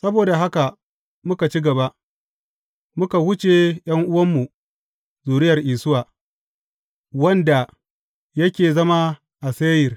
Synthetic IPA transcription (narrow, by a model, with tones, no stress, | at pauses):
sɐ˦boː˨da˨ɦa˦ka˨ | mʊ˦ka˨t͡ʃi˦ɡɐ˨ba˦ʔ | mʊ˦ka˨wʊ˦t͡ʃe˨j̰ɐ˦ŋʔʊ˦wɐ˦mːu˨ | zuː˨ɾɪ˦jɐ˨rʔiː˨sʊ˦waː˨ | wɐ˦nda˨ | jɐ˦kʲeː˨zɐ˦ma˦ | ʔa˨seː˦jɪ˨r